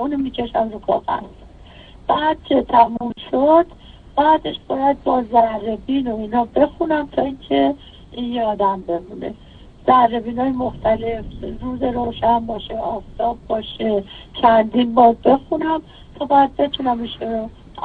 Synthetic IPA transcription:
uːnomiːcʰe̞ʃæmɾukʰɒ̰ːɣæ̰z̥ | b̥æːd̪̥̚t͡ʃʰe̞t̪ʰæmumʃod̪̥ | b̥æːd̪e̞ʃb̥ɒːjæd̪̚bɒːzærːebiːno̞iːnɒːbe̞xunæmt̪ʰɒːiːncʰe̞ | injeɒːd̪æmbe̞mune̞̰ | z̥ærːe̞biːnɒːjemo̞xt̪æle̞fɾuːze̞ɾoːʃænbɒːʃe̞ɒːft̪ɒːbːɒːʃet͡ʃʰænd̪iːnbɒːɾbe̞xunæm | t̪ʰɒːbɒjæd̪̚be̞t̪ʰunæmiːʃuno

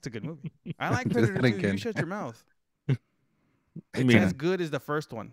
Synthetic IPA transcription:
ætsɨɡʊd̚muviʔaɪlaɪkʰɹsʌɾɨɡɛ̃ʃʌt͡ʃə˞maʊθ | ɨɨzɡʊɾɨzðəfɜ˞st̚wʌ̰̃n

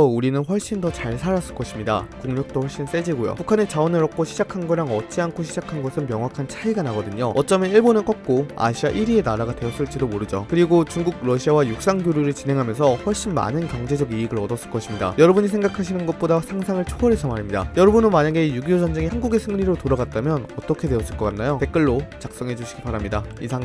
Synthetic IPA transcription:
ʌuɾinɯnɸwʌɭɕ͈indʌt͡ɕaɭsʰaɾas͈ɯ̥ɭk͈ʌɕʰimɲida̰kuŋɲʌk̚t͈ohʰwʌɭɕ͈ins͈e̞d͡ʑiɡojo̰pukʰanet͡ɕaʌnɯɾʌk̚ʰoɕʰid͡ʑakʰanɡʌɾaŋʌt͡ɕ͈iankʰoɕʰid͡ʑakʰanɡʌsʰɯnmjʌŋwakʰant͡ɕʰaiɡanaɡʌdɯɲoʌt͡ɕ͈ʌmʌniɭboneɭk͈ʌt̚k͈oa̰ɕʰiaʔiɾienaɾaɡadweʌs͈ɯɭt͡ɕ͈idomoɾɯd͡ʑo̰kɯɾiɡot͡ɕuŋɡuɡ̚ɾʌɕʰiawajuk̚s͈aŋɡjoɾjuɾɯɭt͡ɕinɦe̞ŋɦamjʌnsʰʌɸwʌɭɕ͈inma̰nɯnkjʌŋd͡ʑe̞d͡ʑʌɡiiɡɯɾʌdʌs͈ɯɭk͈ʌɕʰimɲida̰jʌɾʌbuɲisʰe̞ŋɡakʰaɕʰinɯnɡʌt̚p͈odasʰaŋsʰaŋɯɭt͡ɕʰoʌɾesʰʌmaɾimɲida̰jʌɾʌbunɯnmaɲaɡe̞juɡiod͡ʑʌnd͡ʑe̞ŋihanɡuɡe̞sʰɯŋːiɾotoɾaɡat̚t͈amjʌnʌt͈ʌkʰe̞dwe̞ʌs͈ɯɭk͈ʌk͈anːajote̞k͈ɯɭːot͡ɕak̚s͈ʌŋɦe̞d͡ʑuɕʰi̥ɡibpaɾamɲidaisʰaŋ

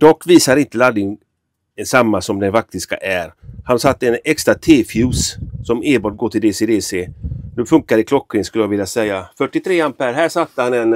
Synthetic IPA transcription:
d̪̥ɔkːviːsaɾɪnt̪əlad̪ɪŋ | samːasɔmd̪ɛnfak̚t̪ɪska̰ʔæɾhansat̪ːəɛnɛkst̪ɾat̪ʰeːfjʉːssɔmeːbɔːʈ̚ɡoːʈʰɪld̪eːsed̪eːseːnʉ̟ːfɵŋkaɾɪkʰlɔkːɾɪŋskɵlːəjavɪljasɛjːafœʈːɪt̪ʰɾeːanpæɾhæːʂat̪ːəhanɛn

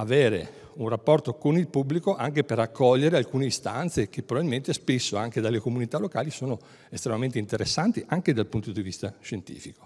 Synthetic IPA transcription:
aveːɾḛ | unrapːɔrt̪okonilpubːlikoʔaŋkeperakːɔʎːeɾealkuːneist̪ant̪sekepːɾobabilment̪espesːoaŋked̪alːekomunit̪alːokaːlisoːno | est̪ɾemament̪eint̪eɾesːant̪iʔaŋked̪alpunt̪od̪ivist̪aʃent̪ḭːfiko̥

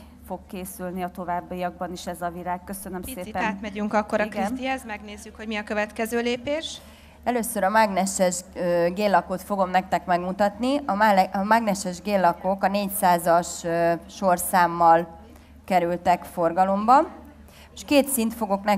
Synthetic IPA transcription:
fo̞kːeːsylniɒt̪o̞vaːbːijɒɡ̚bɒniʃɛzɒviɾaːkːøsønømsseːpɛːt̪mɛyŋkɒkːoɾɒɛzmɛɡneːzːykho̞ɟmiɒkøvɛt̪kɛzøːleːpeːʃ | ɛløːsøɾɒmaɡnɛʃɛʒɡeːlːɒkot̪fo̞ɡo̞mnɛk̚t̪ɛkmɛɡmut̪ɒt̪niʔɒɒmaɡnɛʃɛʒɡeːlːɒko̞kɒneːcsaːzɒʃʃo̞rsaːmːɒl | kɛɾylt̪ɛkfo̞rɡɒlo̞mbɒ | ʃkeːt̪sint̪fo̞ɡo̞knɛ

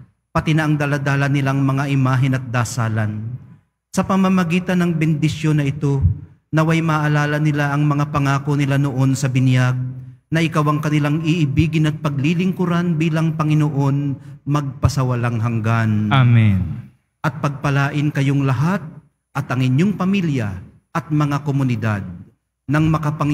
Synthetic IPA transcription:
pɐt̪ɪnɐʔɐŋd̪ɐlad̪aːlɐnɪlaŋmɐŋaʔɪmaːɦɪnɐt̪̚d̪aːsaːlɐn | sɐpɐmɐmɐɡiːt̪ɐnːɐŋbɪnd̪ɪsjo̞nːɐʔɪt̪o̞nɐwajmɐʔɐlaːlɐnɪlaʔɐŋmɐŋapɐŋaːkonɪlanoʔo̞nsɐbɪnjaɡ̚ | nɐʔɪkawɐŋkɐnɪlaŋɪʔɪbiːɡɪnɐt̪̚pɐɡ̚lilɪŋkʊɾanbiːlɐŋpɐŋɪnoʔo̞nmɐɡ̚pɐsɐwɐlaŋɦɐŋɡanamin | ʔɐt̪̚pɐɡ̚pɐlaːʔɪnkɐjo̞ŋlɐɦat̪̚ | ʔɐt̪ɐŋɪɲːo̞ŋpɐmiljɐ̰ | ʔɐt̪̚mɐŋakomʊnɪd̪a̰d̪̚ | nɐŋmɐkapɐ

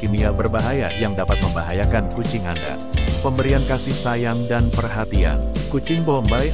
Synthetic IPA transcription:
kiniabərbaɦaja̰jaŋdapat̪̚məmbaɦajakankut͡ʃɪŋanda̰ | pəmbəɾiankasɪhsajamdanpərɦat̪ia̰nkut͡ʃɪŋbombaj

